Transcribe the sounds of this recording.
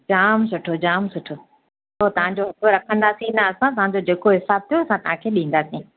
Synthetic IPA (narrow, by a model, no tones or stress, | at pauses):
d͡ʑaːms̬ʊʈʰod͡ʑaːmsʊʈʰo | ot̪ɐʋ̤ãɲd͡ʑoɦɐkʰoɾɐkʰə̃nd̪aːsĩnɐɐsãt̪ɐɦãɲd͡ʑod͡ʑeːkoɦɪsaːb̚t̪ʰijoɐsãt̪ɐɦãkʰeːɗĩːn̆d̪aːsĩ